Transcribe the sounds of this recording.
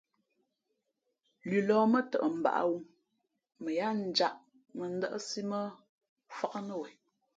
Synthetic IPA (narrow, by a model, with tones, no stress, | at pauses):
lʉ˨lɔː˨˦mə˦tə̰˨ʔə˨m̩˨ba̰˨ʔa̰˦wu˦ | mə˨ja˦n̩˨d͡ʒa˦ʔ | mə˨n̩˦də̰˦ʔə˦si˦mə˦ | fa˦ka˦nə˦˨wɛ˨